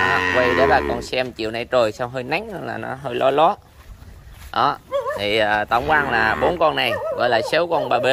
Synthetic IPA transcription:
kwa˧jɗe˨˦laː˨˩kɔ˧nsɛ˧mt͡ɕḭ˨wna˧jt͡ɕəː˨˩jsa˧wɦəː˧jna˨˦ŋhə˧nlaː˨˩nɔ˨˦ɦəː˧jlɔ˨˦lɔ˨˦ | ɗɔ˨˦t̪ʰi˨˩əː˨˩t̪a˧˩wŋ͡mkwaː˧nlaː˨˩ɓo˨˦nkɔ˧nːa˨˩jɣɔ̰˧˨˦jlaː˨˩sə˨˦wkɔ˧nɓaː˨˩ɓe˧˦

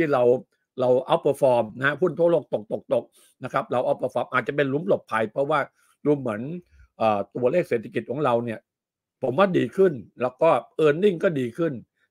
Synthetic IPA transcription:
t̪ʰiː˥˩ɾa˧w | ɾa˧wʔa˦˥˩wpʰɤː˧˩fɔː˧mna˦ha˥hu˥˩nt̪ʰuː˥˩˨loː˥˩k̚t̪o˨˩k̚t̪o˨˩k̚t̪o˨˩k̚ | na˦˥kʰa˦˥p̚ɾa˧wʔa˦˥˩wpʰɤː˧˩fɔː˧mʔaː˨˩t̪̚t͡ɕa˨˩p̬e˧nlu˦˥mplo˨˩p̚pʰːa˧jpʰɾɔ˦˥waː˥˩ | duː˧mːɯ˩˦ən | ʔɤː˨˩t̪u˧ɐleː˥˩k̚seː˨˩t̪ʰa˧ki˨˩t̪̚kʰɔː˩˦ɾa˧wni˥˩ɐ | pʰo˩˦mwaː˥˩diː˧kʰɯ˥˩nlɛː˦˥wkɔː˥˩ʔɤː˧nli˥˩ŋkɔː˥˩diː˧kʰɯ˥˩n

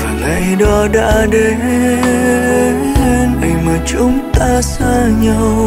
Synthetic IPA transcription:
ə˨˩ʔa˨˧˩jɗɔ˨˦ɗa̰ː˧˥ɗe˨˧˦ | le˧nʔa˨˧˩jŋmaː˨˩t͡ɕʊ˨˦ŋ͡mt̪aː˧saː˧ɲa˧w

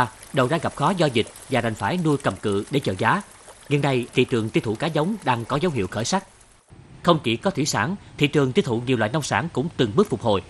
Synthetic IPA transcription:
ɗə˨˩wɗa̰ː˧˥ɣa˨˩p̚xɔ˨˦zɔ˧zï˨˩k̟̚vaː˨˩ɗa˨˩jŋ̟faː˧˩jnu˧jkə˨˩mkɨ̰˧˨ɗe˧˩t͡ɕəː˧˨˩zaː˨˦ | ŋḭ˧˩nːa˨˩jt̪ʰḭ˧˨t͡ɕɨ˨˩əŋt̪i˧t̪ʰṵ˧˨kaː˨˦zə˨˦wŋ͡mɗaː˧ŋkɔ˨˦zə˨˦wɦḭ˧˨əwxəː˧˩jsa˦˥k̚ | xə˧wŋ͡mt͡ɕḭ˧˩kɔ˨˦t̪ʰi˧˥saː˧˩nt̪ʰḭ˧˨t͡ɕɨ˨˩əŋt̪i˧t̪ʰṵ˧˨ŋɲi˨˩wlwaː˧˨nə˧wŋ͡msaː˧˩nkʊ̰˧˥ŋ͡mt̪ɨ˨˩ŋɓɨ˦˥ək̚fʊ˨˩k͡p̚ho˨˩j

